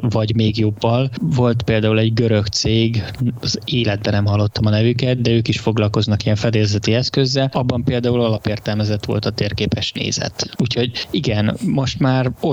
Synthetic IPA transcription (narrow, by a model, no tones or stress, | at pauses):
vɒɟmeːɡjo̞bːɒlvo̞lt̪peːld̪aːulɛɟɡø̞ɾø̞kt̪seːɡɒzeːlɛd̪̚bɛnɛmɦɒlːo̞t̪ːɒmɒnɛvykɛt̪̚d̪ɛøːkiʃfo̞ɡlɒlko̞znɒkijɛɱfɛd̪eːrzɛt̪iɛskø̞zːɛlɒbːɒmpeːld̪aːulɒlɒpeːrt̪ɛlmɛzɛt̪ʋo̞̰lt̪ɒt̪eːrkeːpɛʃnḛːzɛ̰t̪uːcho̞ɟiɡɛnmo̞ʃt̪maːro